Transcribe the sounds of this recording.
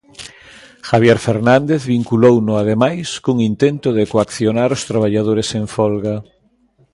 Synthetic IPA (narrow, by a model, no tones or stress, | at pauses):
xaβjeɾfeɾnãnd̪eθβiŋkulownʊað̞emajskuŋint̪ent̪ʊðekoakθjonaɾʊst̪ɾaβ̞aʎað̞oɾesẽɱfɔlɣa